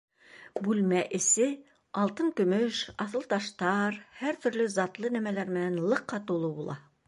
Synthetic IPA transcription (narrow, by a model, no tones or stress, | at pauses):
bʉlmæʔɘ̆sɘ | ɑlˠt̪ɤŋkɵ̆mɵʃɑθɤ̆lˠt̪ɑʃt̪ɑɾhæɾt̪ɵ̆ɾlɵzɑt̪lˠɤnæmælæɾmɘ̆nænlˠɤ̆qːɑt̪ulˠɤbulˠɑ